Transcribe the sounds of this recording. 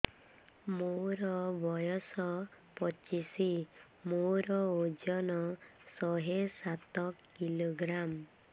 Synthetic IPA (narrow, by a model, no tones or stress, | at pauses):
moɾɔbɔjɔsɔ | pɔt͡ʃisi | moɾɔod͡ʒɔnɔsɔɦesat̪ɔkːiloɡɾam